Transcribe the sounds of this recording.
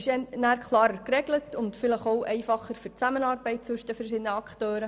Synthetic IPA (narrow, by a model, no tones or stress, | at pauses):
ɪʃɛnæːɾkʰlˠɑːɾəɾkrɛɡlətʊntfɪləχoʊʔɛɪfɑχəɾfyt͡sæmənɑːɾbɛɪt̚t͡sʋɵʃd̪̥əfəɾʃɪd̪ənəɑktøːɾə